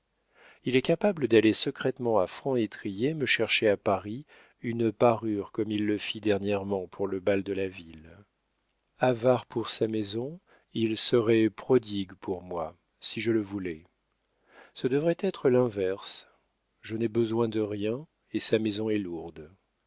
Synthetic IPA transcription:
ilɛkapabləd̪alesəkχɛt̪mɑ̃afχɑ̃et̪χijeməʃɛʁʃeapaʁi | ynəpaʁyʁkɔmilːəfid̪ɛʁnjɛʁmɑ̃pʰuʁləbald̪əlavil | avaʁpuʁsamezɔ̃ | ilsəʁɛpχɔd̪iɡpʰuʁmwa | siʒələvulɛ | səd̪əvʁɛt̪ɛt̪χəlɛ̃vɛʁs | ʒənɛbəzwɛ̃d̪əʁjɛ̃ | esamezɔ̃ɛluʁd̪

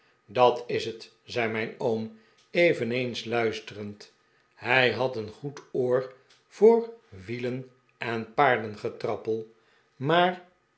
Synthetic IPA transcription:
dɑtɪsət | zɛjmɛɪjnowm | ejvənejnslœɥstərənt | ɦɛjɦɑtənχutoːɹ | v̥ʊːɹʋilən | ɛnpaːɹdənχətrɑpəlˠ | maːr

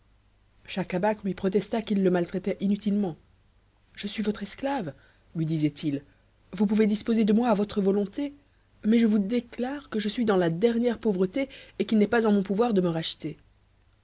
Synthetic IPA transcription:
ʃakabaklɥipχɔt̪ɛst̪akilːəmalt̪χɛt̪ɛʔinyt̪ilmɑ̃ | ʒ̥əsɥivɔt̪χɛsklav | lɥid̪izɛt̪il | vup̬uved̪ispozed̪əmwaːvɔt̪χəvɔlɔ̃t̪e | mɛʒəvud̪eklaʁkəʒəsɥid̪ɑ̃lad̪ɛʁnjɛʁpovʁət̪eːkʲilnɛpazɑ̃mɔ̃puvwaʁd̪əməʁaʃt̪e

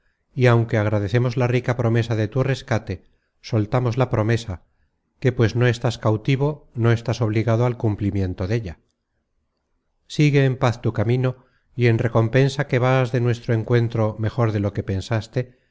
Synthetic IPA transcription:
iawŋke̞aɣ̞ɾaðe̞θe̞mo̞zlarikapɾo̞me̞saðe̞t̪ure̞skat̪e̞ | solt̪amo̞zlapɾo̞me̞sa | ke̞pwe̞zno̞e̞st̪askawt̪iβ̞ono̞e̞st̪aso̞βliɣað̞oalkumplimjẽ̞nt̪o̞ðe̞ʎa | siɣe̞ːmpaθt̪ukamĩno̞ | ienre̞ko̞mpe̞nsake̞βazðe̞nwe̞st̪ɾoe̞ŋkwe̞nt̪ɾo̞me̞xo̞ɾðe̞lo̞ke̞pe̞nsast̪e̞

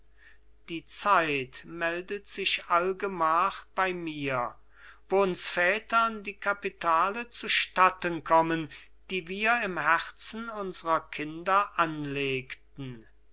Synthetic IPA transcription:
d̥iːt͡saɪtmɛldətz̥ɪʃalɡəmaːχb̥aɪmiːɐ | voʊnsfɛːtɐndiːkapitʰaːlət͡suʃtatənkʰɔmən | d̥iːviːɐɪmhɛʁt͡sn̩ʊnzəʁɐkʰɪndɐʔanleːktn̩

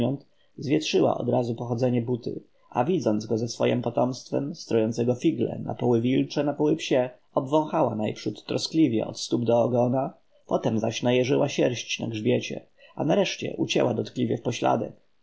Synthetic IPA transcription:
ɔnt̪ | zvʲjɛt̪ʂɘwa̰ʔɔ̰d̪ɾazupɔxɔd̪zɛɲɛbut̪ɘ̰ | ʔavʲid̪zɔnd̪zɡɔzɛsfɔjɛmpɔt̪ɔmst̪fɛ̰mst̪ɾɔjɔnt̪sɛɡɔfʲiɡlɛ̰nʔa̰pɔwɘvʲilt͡ʂɛnapɔwɘpɕɛ | ɔbvɔ̃w̃xawanajpʂut̪ːɾɔsklʲivʲjɛ̰ɔ̰t̪st̪ubd̪ɔːɡɔna | pɔt̪ɛmzaɕnajɛʐɘwaɕɛɾɕt͡ɕna̰ɡʐbʲjɛt͡ɕɛ̰ | a̰naɾɛʂt͡ɕɛ̰ʔut͡ɕɛ̰wad̪ɔt̪klʲivʲjɛfpɔɕla̰d̪ɛk

